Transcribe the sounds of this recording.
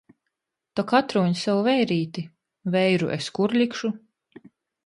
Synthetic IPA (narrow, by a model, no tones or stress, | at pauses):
t̪ɔkat̪ɾuːɲsawvɛjɾiːt̪i | vɛjɾṵʔeskuɾlʲikʃu